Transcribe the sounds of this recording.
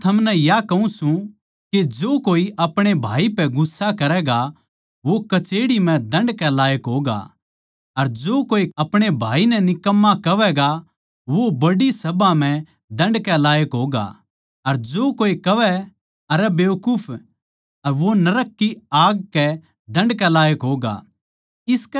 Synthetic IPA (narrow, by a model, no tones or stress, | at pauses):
t̪ʰɐmnɛ̃jakɐũsũ | ked͡ʒoːkoːiʔɐpɽ̃ebʱaːipɛɡʊsːakɐɾɛːɡa | ʋokɐt͡ʃeːɽim̤ɛ̃d̪ɐ̃ɳɖkɛlaːjəkɦoːɡa̰ | ɐɾd͡ʒoːkoːiɐpɽ̃ebʱaːinɛnɪkɐmːakɐʋɛɡa | ʋobɐɽisɐbãm̤ɛ̃ | d̪ɐ̃ɳɖkɛlaːjəkɦoːɡa̰ | ɐɾd͡ʒoːkoːikɐʋɛ | ɐɾɛbeːʋkʊːpʰ | ɐɾʋonɐɾəkːiaːɡ̚kɛ | d̪ɐ̃ɳɖkɛlaːjəkɦoːɡa̰ | ɪsk